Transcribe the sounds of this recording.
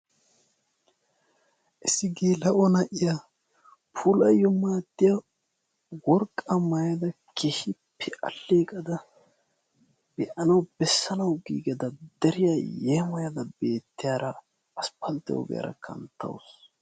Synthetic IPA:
ʔɪsːɪɡiːlɐʔɔnɐʔɪja | pʰulɐjɔmaːd̪ːɪjɐ | wɔɾkʼːɐmɐjɐd̪ɐkʰɛhɪpʰːɛʔɐ̰lːeːkʼɐd̪ɐ | b̥ɛʔɐnɐwbɛsːɐnɐwɡḭːɡɐd̪ɐd̪ɛɾɪjajeːmɐjɐd̪ɐbeːt̪ːɪjaːɾɐ | ɐspɐlt̪ːɛ̰wɔ̰ɡɛ̰jɐ̰ɾɐ̰kʰɐ̰nt̪ʰːɐ̰ws

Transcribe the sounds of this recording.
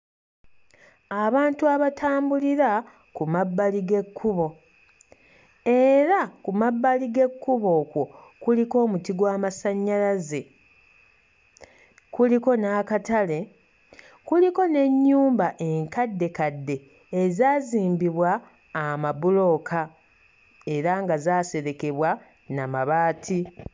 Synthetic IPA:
aβaːntuaβatʰaːmbuliɾa | kumabːaliɡe̞kʰːuβo̞ | e̞ɾakumabːaliɡe̞kːuβo̞kwo̞kuliko̞ːmutiɡwaːmasaɲːalaze | kuliko̞nakatale̞ | kuliko̞ne̞ɲːuːmbaʔe̞ŋkadːe̞kadːe̞ː | zaːziːmbiβwaː | mabulo̞kʰa | e̞ɾaŋɡazaːse̞ɾe̞ke̞βwa | namaβaːtʰi

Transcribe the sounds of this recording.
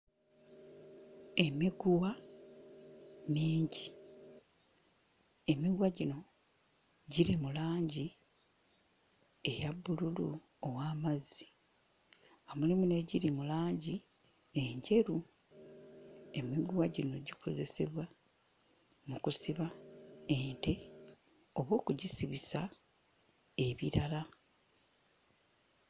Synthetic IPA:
e̞miɡuwa | miːɲɟi | e̞miɡwaɟino̞ | ɟiɾimulaːɲɟi | e̞jaβːululu | owaːmazi̥ | amulimune̞ɟiɾimulaːɲɟi | e̞ɲɟe̞ɾu | emiɡuwaɟino̞ɟikʰo̞ze̞se̞̰βwa | mukusiβaente̞ | o̞βwo̞ːkuɟisiβisa | e̞βiɾala

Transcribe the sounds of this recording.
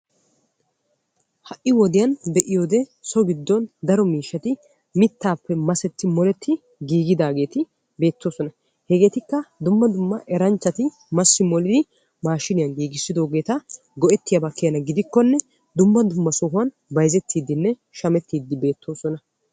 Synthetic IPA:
hɐʔːɪwɔd̪ɪjɐnd̪ɛʔɪjoːd̪ɛsɔɡɪd̪ːɔnd̪ɐɾɔmiːʃːɐt̪ɪ | mɪt̪ːaːpːɛmɐsɛt̪ːɪmɔlɛt̪ʰːɪ | ɡiːɡɪd̪aːɡe̞ːt̪ɪ | be̞ːt̪ːo̞ːsɔnɐ | hɛɡe̞ːt̪ɪkːɐd̪ʊmːɐd̪ʊmːɐʔɛɾɐnt͡ʃːɐt̪ɪ | mɐsːɪmɔlɪd̪ɪ | maːʃːɪnɪjɐnɡiːɡɪsːɪd̪o̞ːɡe̞ːt̪ɐ | ɡɔʔɛt̪ːɪjɐbɐkːɪjɐnɐɡɪd̪ɪkːɔnːɛ | d̪ʊmːɐd̪ʊmːɐsɔɦʊɐn | bɐjzɛt̪ːiːd̪ːɪnːɛ | ʃɐmɛt̪ːiːd̪ːɪbe̞ːt̪ʰːo̞ːsɔnɐ

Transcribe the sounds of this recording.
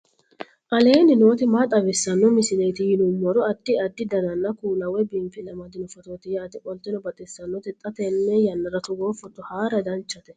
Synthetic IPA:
ʔɐle̞ːnɪno̞ːt̪ɪmat̪ʼɐbɛsːɐnːɔmɪsɪlɛjt̪ɪjɪnʊmːɔɾɔɐd̪̥ːɪɐd̪ːɪd̪ɐd̪ɐnːɐkuːlɐwɛbɪmfɪlɐmɐd̪ɪnɔfɔt̪oːt̪ɪjɛɐt̪ɪkʼɔlt̪ːɛnɔbɐt̪ʼɛsːɐnːɔt̪ɛt̪ʼːɐt̪ɛnːɛjɐnːɐɾɐt̪ʊɡoːfɔt̪ːʊhaːɾɐd̪ɐnt͡ʃːɐt̪ɛ

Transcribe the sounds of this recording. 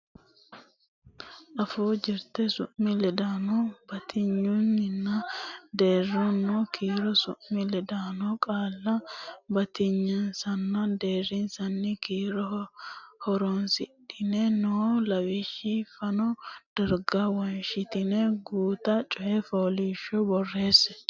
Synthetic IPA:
ʔɐfoːd͡ʒɪɾt̪ɛsʊʔmɪlɛd̪aːnɔbɐt̪ʰɪɲːunːɪnːɐd̪e̞ːrːɔnːoːkʰiːɾɔsʊʔmɪlɛd̪aːnɔkʼaːlːɐbɐt̪ɪɲːɐnsɐnːɐd̪eːrɪnsɐnːɪkiːɾɔ | hɔɾɔnsɪɗɪnɛnɔlɐwɪʃifɐnɔd̪̥ɐɾɡɐwɐnʃɪt̪ɪnɛɡuːt̪ɐt͡ʃʼɔʔɛfoːliːʃːɔbɔrːe̞ːsɛ

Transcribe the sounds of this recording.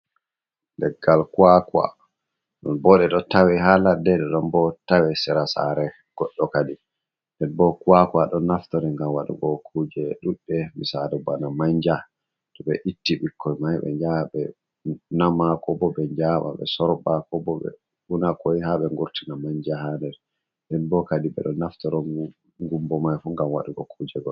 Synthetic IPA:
lɛɡːalkuwakwa̰ | ɗɔnbɔɗɛɗɔtawɛɦaladɛɗɛɗɔnbɔtawɛsɛɾasa̰ɾɛ | ɡ̥ɔɗːɔkadi | dɛnbɔkuwakaɗɔnːaftɔɾɛŋɡamwaɗṵɡɔkʰud͡ʒɛɗuɗɛmisaɾɛbanamaɲd͡ʒa | tɔɓɛʔitːiɓikʰːɔjmajɓɛ̰ɲd͡ʒaɓɛ | namakɔbɔɓɛɲd͡ʒaɓa̰ɓɛ̰sɔɾbakɔbɔɓɛ̰ | ɓunakɔjhaɓɛŋɡuɾtinamaɲd͡ʒahandɛɾ | ndɛnbɔkadiɓɛ̰ɗɔnaftɔɾɔ | ŋɡumbɔmajfuŋɡamwaɗuɡɔkʰud͡ʒɛɡɔ

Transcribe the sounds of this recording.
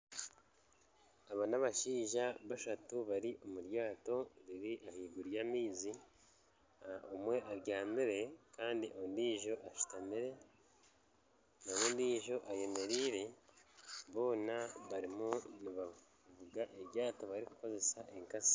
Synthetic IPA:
aβanaβaʃiːʒaβaʃatuβaɾiʔo̞muɾjaːto̞ɾiɾiʔahiːɡuɾjaːmiːzi | omwe̞ʔaɾɟaːmiɾe̞kaːndiʔondiːʒo̞ʔaʃu̥tamiɾe̞ | naβondiːʒo̞ʔaje̞me̞ɾiːɾe̞ | βo̞ːnaβaɾimuniβa | vuɡaʔeɾɟaːto̞βaɾiku̥ko̞ze̞saʔe̞ŋkasi̥

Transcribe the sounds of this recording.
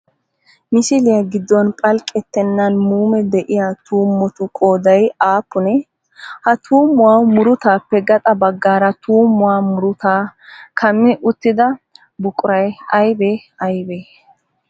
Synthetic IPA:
mɪsɪlɪjɐɡɪd̪ːɔnpʼɐlkʼːɛt̪ːɛnːɐnmuːmɛd̪ɛʔɪjat̪uːmːɔt̪ʊkʼoːd̪ɐjaːpːʊnɛ | hɐt̪ʰuːmːʊwaːmʊɾʊt̪aːpːɛɡɐt̪ʼɐbɐɡːaːɾɐt̪ʰuːmːʊwaːmʊɾʊt̪aːkʰɐmːɪʔʊt̪ːɪd̪ɐ | bʊkʼʊɾɐjɐjbeːɐjbeː

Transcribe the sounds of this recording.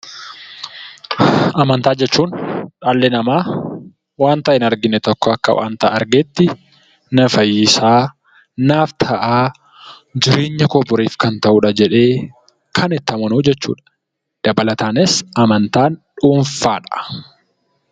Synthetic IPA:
ʔɐmɐnt̪aːd͡ʒɛt͡ʃːuːnᶑaːlːɛnɐmaː | waːnt̪ɐʔɪnɐɾɡɪnːɛt̪ɔkːɔɐkːɐ̰wʔa̰ːnt̪a̰ːʔɐɾɡeːt̪ːɪ | nɐfɐjisaː | naːft̪ʰɐʔaː | d͡ʒɪɾeːɲːɐkɔbʊɾiːfkɐnt̪ɐʔuːᶑɐd͡ʒɛᶑe̞ː | kʰɐnɛt̪ːɐmɐnuːd͡ʒɛt͡ʃːṵːᶑɐ̥ | ᶑ̥ɐbɐlɐt̪aːnɪsɐmɐnt̪aːnᶑuːɱfaːᶑɐ̥

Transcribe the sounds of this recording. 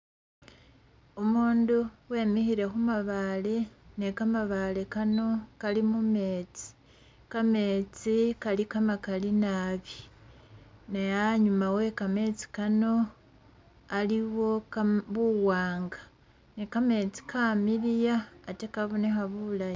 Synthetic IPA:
omuːnduwe̞ːmihiɾe̞xumaβalenekamaβale̞kano̞kalimume̞ːt͡si̥ | kame̞ːt͡sikalikamakalinaβi | najaɲumawe̞kame̞t͡si̥kano̞ | aliwo̞kβuwaːŋɡḁ | nekame̞ːt͡si̥kʰamiɾijaːtekaβunexaβulaj

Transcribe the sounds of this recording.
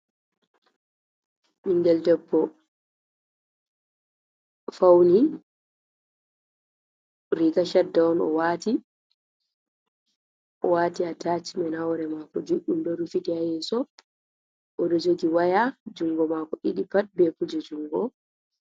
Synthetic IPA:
ʔiŋɡɛldɛbːɔ | fawni | ɾikaʃadːaɔnɔ̰waːti | ʔɔwaːtiatat͡ʃimɛnawɾɛmakɔd͡ʒuɗumdɔɾufitihajɛsɔ | ʔɔɾɛd͡ʒoɡiwajad͡ʒuŋɡɔmakɔʔiɗipat̚bɛkud͡ʒɛd͡ʒuŋɡɔ

